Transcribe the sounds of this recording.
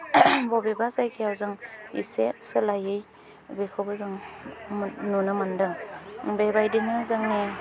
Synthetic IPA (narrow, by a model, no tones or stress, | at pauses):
bɔbebazajkʰijawzɯŋḭsesɯlajɯj | bekʰɯwbɯzɯŋ | nunɯmandɯŋbejbajdinɯzaŋne